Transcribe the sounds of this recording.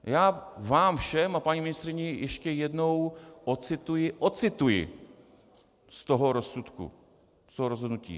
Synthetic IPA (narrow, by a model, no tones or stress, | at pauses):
jaːvaːmfʃɛmapaɲimɪnɪst̪ɾɪɲɛjɛʃcɛjɛdnowʔot͡sɪt̪ujɪʔot͡sɪt̪ujɪ̰ | st̪oɦoɾosut̪kṵ | st̪oɦoɾozɦodnucḭː